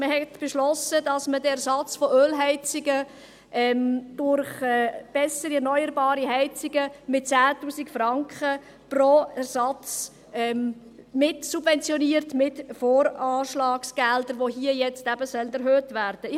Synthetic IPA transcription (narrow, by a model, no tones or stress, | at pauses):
məhɛtb̥ɛʃlɔsədɑsmədɛɛɾsɑt͡sfɔʔøːlɦɛɪt͡sɪɡə | ʔɛmd̥ʊɾχɛːb̥ɛsəɾiɛɾnɔʏəɾbɑːɾiɦɛɪt͡sɪɡəmɪt̚t͡sæːtuːsikfɾɑŋkχə | proɛɾsɑt͡s | ɛm | mɪtsubvɛnt͡sjɔniəɾtmɪtfoːɾɑːʃlɑːksɡ̥ɛldəɾʋoɦiəjɛt͡stæbəsœlnɛɾɦøːtvæɾd̥əɪ